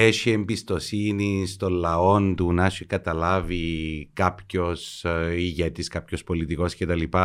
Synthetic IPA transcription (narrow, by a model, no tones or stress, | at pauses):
eʃie̞mbist̪o̞sinist̪o̞nlɐo̞nd̪unɐʃikɐt̪ɐlɐvikɐpçosiʝet̪iskɐpçospo̞lit̪iko̞scet̪ɐlipɐ